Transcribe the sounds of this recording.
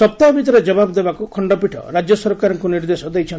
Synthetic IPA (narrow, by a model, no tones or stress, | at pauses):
sɔpt̪abʱit̪ɔɾed͡ʒɔbabɔd̪ebakukʰɔɳɖɔpiʈʰɔ̰ɾad͡ʒjɔsɔɾkaɾɔŋkuniɾd̪esɔd̪ejt͡ʃʰɔn